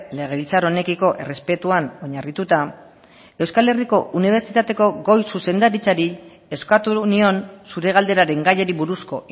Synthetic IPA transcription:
le̞ɣ̞e̞βilt͡saɾo̞ne̞kiko̞ʔe̞re̞spe̞t̪uano̞ɲarit̪ut̪a | e̞wskale̞riko̞ʔuniβ̞e̞ɾt͡sit̪at̪e̞ko̞ɡo̞jsuse̞nd̪aɾit͡saɾi | e̞skat̪unio̞nsuɾe̞ɣ̞ald̪e̞ɾaɾe̞ŋɡaje̞ɾiβuɾusko̞

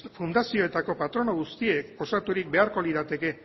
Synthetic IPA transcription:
fund̪asio̞et̪ako̞pat̪ɾo̞no̞ɣ̞ust̪ieko̞sat̪uɾik̚be̞aɾko̞liðat̪e̞ke̞

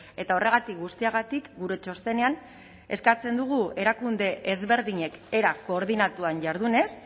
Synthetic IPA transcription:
e̞t̪ao̞re̞ɣ̞at̪ik̚ɡust̪iaɣ̞at̪ikɡuɾe̞t͡ʃo̞st̪e̞ne̞an | e̞skat͡se̞nd̪uɣ̞ue̞ɾakund̪e̞ʔezβe̞ɾðiɲeke̞ɾako̞ːɾðinat̪uanʝaɾðune̞s

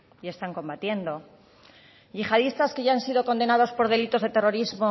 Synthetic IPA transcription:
ie̞st̪aŋkõ̞mbat̪je̞nd̪o̞ | ʝixað̞ist̪aske̞ʝaansið̞o̞ko̞nd̪e̞nað̞o̞spo̞ɾð̞e̞lit̪o̞zðe̞t̪e̞ro̞ɾizmo̞

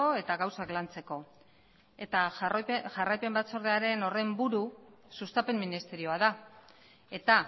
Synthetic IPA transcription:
o̞e̞t̪aɣawsaklant͡se̞ko̞ | et̪aʝarajpe̞mbat͡so̞ɾð̞e̞aɾe̞no̞re̞mbuɾusust̪ape̞mːinist̪e̞ɾio̞aða | e̞t̪a

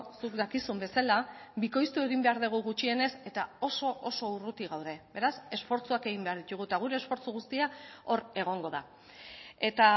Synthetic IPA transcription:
sukd̪akisumbe̞sala | biko̞jst̪ue̞ɣ̞imbe̞aɾðeɣ̞uɣut͡ʃie̞ne̞se̞t̪ao̞so̞ʔoso̞urut̪iɣawðe̞be̞ɾase̞sfo̞ɾt͡suake̞ɣ̞imbe̞aɾðit̪uɣ̞ut̪aɣ̞uɾe̞ːsfo̞ɾt͡suɣ̞ust̪iao̞ɾe̞ɣ̞o̞ŋɡo̞ða̰ | e̞t̪a

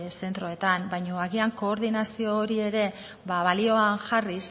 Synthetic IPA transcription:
se̞nt̪ɾo̞e̞t̪ambajɲoaɣiaŋko̞ːɾðinasio̞ːɾie̞ɾe̞ | βaβalio̞aŋʝaris

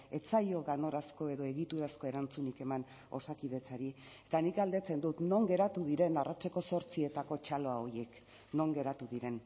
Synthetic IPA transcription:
e̞t͡sajo̞ɣano̞ɾasko̞e̞ðo̞e̞ɣit̪uɾasko̞e̞ɾant͡sunike̞man | o̞̰sakið̞e̞t͡saɾi | e̞t̪anikɡald̪e̞t͡se̞nd̪ut̪no̞ŋɡe̞ɾat̪uðiɾe̞narat͡ʃeko̞so̞ɾt͡sie̞t̪ako̞t͡ʃalo̞ao̞je̞k | no̞ŋɡe̞ɾat̪uðiɾe̞n

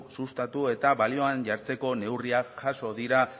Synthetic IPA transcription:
sust̪at̪ue̞t̪aβalio̞anʝaɾt͡se̞ko̞ne̞wriaxaso̞ðiɾa

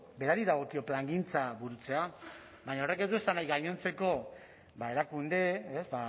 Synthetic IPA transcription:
be̞ɾaɾiðaɣ̞o̞kio̞plaŋɡint͡saβuɾut͡se̞a | baɲao̞re̞keðue̞sanajɣajɲo̞nt͡se̞ko̞ | bae̞ɾakund̪e̞ezba

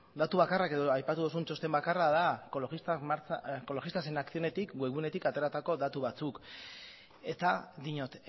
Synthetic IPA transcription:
d̪at̪uβakarake̞ðoajpat̪uðusunt͡ʃo̞st̪e̞mbakaraðakolismaɾt͡sko̞lo̞xist̪ase̞nakθio̞ne̞t̪ikɡueɣune̞t̪ikat̪e̞ɾat̪ako̞ðat̪uβat͡suk | e̞t̪ad̪iɲot̪

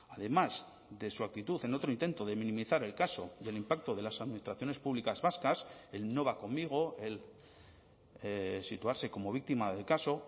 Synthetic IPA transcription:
aðe̞maz | ðe̞suak̚t̪it̪uθe̞no̞t̪ɾoint̪e̞nt̪o̞ðe̞mĩnĩmiθaɾe̞lkaso̞̰je̞limpak̚t̪oðe̞lasaðminist̪ɾaθjo̞ne̞spuβlikazβaskaselno̞β̞ako̞mːiɣ̞o̞e̞l | sit̪uaɾse̞ko̞mo̞βik̚t̪imaðe̞lkaso̞

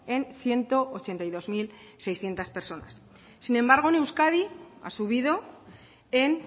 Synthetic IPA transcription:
e̞nθje̞nt̪o̞ʔːt͡ʃe̞nt̪ajðozmilse̞jsθje̞nt̪aspe̞ɾso̞na̰sː | inembaɾɣ̞one̞wskaðia̰suβ̞iðo̞ | e̞n

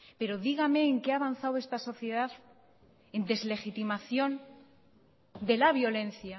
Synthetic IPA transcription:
pe̞ɾo̞ðiɣame̞ːŋkeaβan̟θawe̞st̪aso̞θje̞ðaθ | e̞nd̪e̞zle̞xit̪imaθjo̞n | d̪e̞laβjo̞le̞nθja

